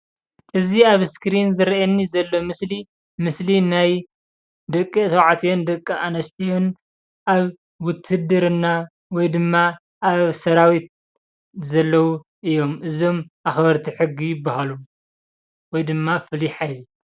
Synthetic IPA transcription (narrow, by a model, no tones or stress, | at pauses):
ʔɨziaβskɨɾinzɨɾʔɐnːizɐlːo̞mɨsli | mɨslinaj | d̪ɐkʼːisɐwʕat̪ʰijond̪ɐkʼːiʔanɐst̪ʰijon | ʔaβ | wʊt̪ʰːɨhd̪ɨɾɨnːa | wɔjd̪ɨmːa | ʔaβsɐɾawit̪̚ | zɐlːɐwu | ʔɨjo̞mʔɨzo̞mʔaxbɐɾt̪ʰiħɨɡːijɪbahalu | wɔjd̪ɨmːafɨliħajli